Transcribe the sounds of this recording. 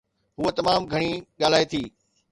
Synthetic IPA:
ɦʊet̪ɐmaːmɡʱɐɽ̃iɠaːl̤aːet̪ʰiː

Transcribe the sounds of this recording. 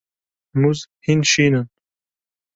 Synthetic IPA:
muzhinʃiːnən

